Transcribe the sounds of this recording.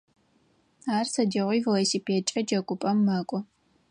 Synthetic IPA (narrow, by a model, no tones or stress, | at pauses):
aːrsɐdiʁʷiːvolosipʰeːt͡ʃʼɐd͡ʒɐkʷʼʊpʼɐmːaːkʷʼɔ